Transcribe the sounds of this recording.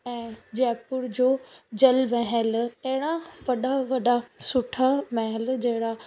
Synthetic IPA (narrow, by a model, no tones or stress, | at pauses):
ɛ̃ːd͡ʑɛːpʊɾd͡ʑoːd͡ʑɐlmɛɦɛlɐɦɪɽ̃aʋɐɗaʋɐɗasʊʈʰamɛɦəld͡ʑɐɦɪɽa